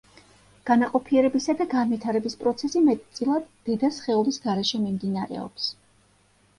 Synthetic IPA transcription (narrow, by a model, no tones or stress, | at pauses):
ɡ̥anaqʼɔpʰiɛɾɛbisad̪aɡanvit̪ʰaɾɛbispʼɾɔt̪sʰɛsimɛt̪ʼt̪sʼilˠad̪ːɛd̪asχɛɔlisɡaɾɛʃɛmimd̪inaɾɛ̰ɔ̰ps